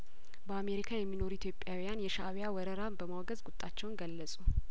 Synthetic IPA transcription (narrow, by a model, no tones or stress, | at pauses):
bəame̞ɾikʰajɛmːino̞ɾuit̪ʰjo̞pʼːjawijanjɛʃa̰wjawɔɾəɾabəmawɡəzɡʊt̪ʼːat͡ʃːɛwnɡəlːəsʼu